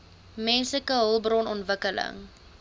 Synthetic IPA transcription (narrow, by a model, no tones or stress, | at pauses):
mɛnsləkəɦəlˠbrɔnɔntvəkələ̰ŋ